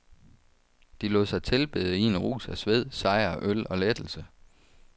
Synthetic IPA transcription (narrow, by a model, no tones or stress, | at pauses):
d̥ilɔ̰ːðˠsɑ̈ɪt͡sʰe̝lb̥e̝ːð̩ˠinəʁṵːsæsʋe̝ð̞̰ˠsɑ̈ɪɐʔølɒ̽led̥l̩sə